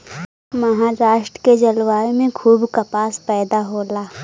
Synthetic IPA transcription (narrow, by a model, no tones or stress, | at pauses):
mɐɦaːɾaːʃʈɾəked͡ʒɐlʋaːmẽkʰuːbkɐpaːspɛːd̪aɦoːlaː